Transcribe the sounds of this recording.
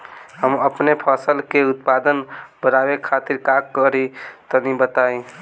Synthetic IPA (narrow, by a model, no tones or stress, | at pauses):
ɦəməpnepʰəsəlkeut̪̚pad̪ənbəɾabekʰat̪iɾkakːəɾit̪ɔnibət̪ai